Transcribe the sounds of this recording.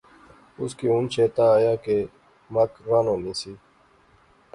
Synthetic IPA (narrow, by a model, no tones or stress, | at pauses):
ʊskiːũnt͡ʃʰeːt̪aːjaːke | məkɾaːnõːnĩːsiː